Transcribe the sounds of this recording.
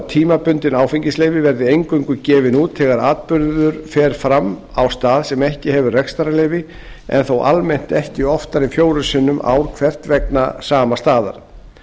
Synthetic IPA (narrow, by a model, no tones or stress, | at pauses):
t̪ʰiːmapʏnt̪ɪnaːwfiɲcɪsleːjvɪvɛɾðɪejŋkʏŋkʏcɛːvɪnuːt̪θɛɣaɾaːt̪̚pʏɾððʏɾ̥fɛːɾ̥fɾamːa̰wst̪aːðsɛmɛhcɪhɛvʏrɛkst̪aɾalɛːjvɪ | ɛ̰nθowʔa̰lmejn̥t̪ɛhcɪɔft̪aɾɪfjoːwɾʏsɪnːʏmʔa̰wɾ̥kʰv̥ɛr̥t̪vɛknasaːmast̪aːða̰ɾ̥